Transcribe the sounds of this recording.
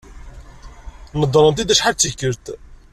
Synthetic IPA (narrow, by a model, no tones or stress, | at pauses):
nəd̪ˤːɾˤənt̪id̪æʃħalt͡sːikːəɾt̪